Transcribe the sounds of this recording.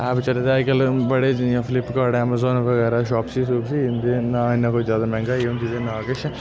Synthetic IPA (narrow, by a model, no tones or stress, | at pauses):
ɛːpt͡ʃəleːd̪aːkəlbəɽeːjãːpʰɪlɪpkaːɾɖɛːmaːzoːnʋəɣɛːɾaːʃɔːpsiːsuːpsiːnd̪eːnaːɪnːãːkoːizjaːd̪aːmɛ̃ːŋɡaːiɦʊ̃nd̪iːd̪enaːkɪt͡ʃʰ